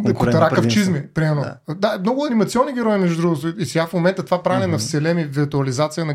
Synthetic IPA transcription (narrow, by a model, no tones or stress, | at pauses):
k̪ɐɾakɐft͡ʃizmipɾimɛɾnod̪amnɔɡʊɐnimɐt̪sʲiɔnːiɡʲɛɾɔjinɛʒd̪ɾuɡot̪isɛɡafmomɛnt̪ət̪vapɾavnɛnɐfsɛlɛmiviɾt̪uɐlizat̪sijənɐ